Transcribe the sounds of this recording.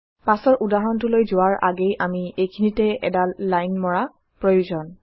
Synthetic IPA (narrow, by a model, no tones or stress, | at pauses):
pasɔɹʔudaɦɔntʊlojzʊwaɹʔa̰ɡejʔamiejkʰinitɛɛ̰dalːajnmɔɹa | pɹojuzɔn